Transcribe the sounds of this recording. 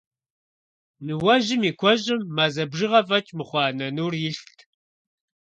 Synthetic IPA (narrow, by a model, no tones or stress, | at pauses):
nɨwɐʒɪmiːkʷʰɔʑɪmːazɐbʒɨʁɐfɐt͡ʃʼmɨχʷɑːnɐnuːrjɪɬttʰ